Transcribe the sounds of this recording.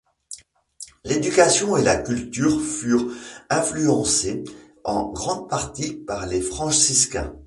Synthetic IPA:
led̪ykasjɔ̃elakʲylt̪yːʁfyʁɛ̃flyɑ̃se | ɑ̃ɡʁɑ̃d̪̚paʁt̪ipaʁlefχɑ̃ʃiskɛ̰̃

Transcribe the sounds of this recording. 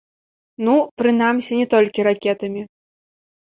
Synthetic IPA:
nupɾɨnamsʲinʲɛt̪ɔlʲkʲiɾakʲɛt̪ɐmʲi

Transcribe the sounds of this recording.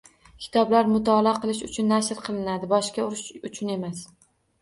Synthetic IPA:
kʲʰɪ̥t̪ʰɒblaɾmʊt̪ʰɒlˠaqʰɨlˠɪʃʊt͡ʃʰʊnːaʃɾqʰɨlˠɪnad̪ɪbɒʃkʲaʊɾɪʃʊt͡ʃʰʊne̞mas

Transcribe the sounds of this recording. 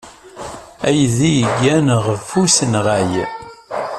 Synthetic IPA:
æjðijəɡːænəʁfusənʁæj

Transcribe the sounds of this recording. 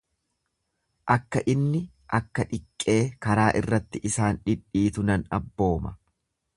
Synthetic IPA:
ʔɐkːɐʔɪnːɪ | ʔɐkːɐᶑɪkʼːe̞ːkɐɾaːʔɪrːɐt̪ːɪʔɪsaːnᶑɪᶑːiːt̪ʊnɐnɐbːo̞ːmɐ

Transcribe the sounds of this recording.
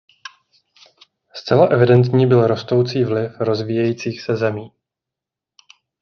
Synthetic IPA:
st͡sɛlaʔɛvɪdɛnt̪ɲiːbɪlɾo̞st̪o̞wt͡siːvlɪfɾo̞zviːjɛjiːt͡siːxsɛzɛmiː

